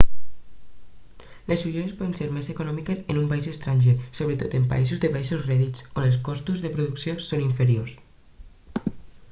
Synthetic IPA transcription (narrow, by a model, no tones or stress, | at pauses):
lesfuʒeɾespɔðənseɾmeseːkunɔmikəsenumpaizest̪ɾaɲʲʒesoβɾət̪ot̪empa̰izuzðəpaisuzrɛðit͡sonəlskɔst̪uzðəpɾuðuksiosoniɱfəɾios